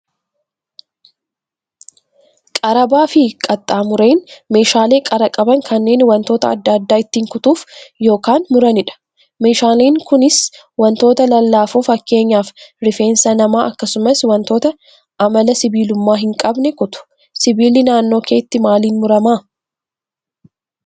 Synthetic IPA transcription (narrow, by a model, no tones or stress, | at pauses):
kʼɐɾɐbaːfɪkʼɐt̪ʼːaːmʊɾe̞ːnme̞ːʃaːle̞ːkʼɐɾɐkʼɐbɐŋkʰɐnːe̞ːnwɐnt̪oːt̪ɐ̰ɐ̰d̪ːaːd̪ːaːɪt̪ːiːŋkʊt̪uːfjo̞ːkaːnmʊɾɐnɪᶑɐ̥ | me̞ːʃaːleːŋkʊnɪs | wɐnt̪o̞ːt̪ɐlɐlːaːfuːfɐkːe̞ːɲːaːfɾɪfe̞ːnsɐnɐmaːʔɐkːɐsʊmɐswɐnt̪o̞ːt̪ɐ | ʔɐmɐlɐsɪbiːlʊmːaːɦɪŋkʼɐbnɛkʊt̪ʊ̥ | sɪbiːlɪnaːnːo̞ːke̞ːt̪ːɪmaːliːnmʊɾɐmaː